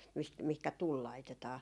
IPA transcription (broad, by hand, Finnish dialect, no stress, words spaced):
mist mihkæ tul lɑitetɑː